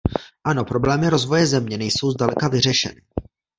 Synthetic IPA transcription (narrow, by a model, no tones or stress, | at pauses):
ʔano̞pɾo̞blɛːmɪɾo̞zvo̞jɛzɛmɲɛnɛjso̞wzdalɛkavɪr̝ɛʃɛ̰nɪ